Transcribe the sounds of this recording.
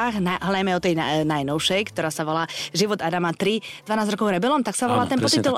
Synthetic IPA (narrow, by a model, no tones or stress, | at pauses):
ɣnaɦlajmɛɔt̪ɛjnanajnɔʊʃɛjkt̪ɔɾaːsaʋɔlaːʒiʋɔd̪ad̪amat̪ɾid̪ʋanaːzɾɔkɔʊɾɛbɛlɔmt̪aksaʋɔlaːt̪ɛnpɔt̪it̪ul